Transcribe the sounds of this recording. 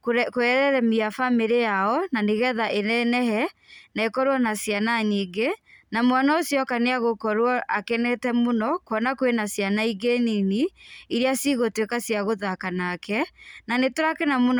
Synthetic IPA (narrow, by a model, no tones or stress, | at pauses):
kokoɛɾɛɾɛmiafameɾejaɔnaneɣɛðaʔenɛnɛɦɛnaekɔɾwɔnasjanaɲiːɡenamwanaosjɔkaneaɣokɔɾwɔʔakɛnɛtɛmonɔkɔnakwenasjanaiɡeniniiɾiasiɣotwekasjaɣoðakanaːkɛnanetoɾakenamon